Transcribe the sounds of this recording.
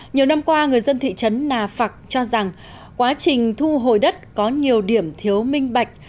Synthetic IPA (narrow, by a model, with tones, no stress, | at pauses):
ɲi˨˩əwna˧mkwaː˧ŋɨ˨˩əjzə˧nt̪ʰḭ˧˨t͡ɕə˨˦nːaː˨˩fa˨˩k̚t͡ɕɔ˧za˨˩ŋ | kwaː˨˦t͡ɕï˨˩ŋ̟t̪ʰu˧ɦo˨˩jɗə˦˥t̚kɔ˨˦ɲi˨˩əwɗi˧˩əmt̪ʰi˨˦əwmï˧ŋ̟ɓa˨˩jk̟̚